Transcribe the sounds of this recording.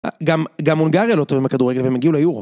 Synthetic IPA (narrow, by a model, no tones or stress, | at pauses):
ɡamɡamːonɡaʁjalot̪ovimbekad̪uʁe̞ɡelveemeɡiulejuʁ